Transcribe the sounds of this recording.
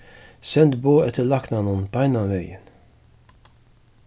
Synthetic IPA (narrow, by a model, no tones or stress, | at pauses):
sɛnt̪boːɛt̪ʰəlɑknɑnʊnpɔɛnɑmœʏən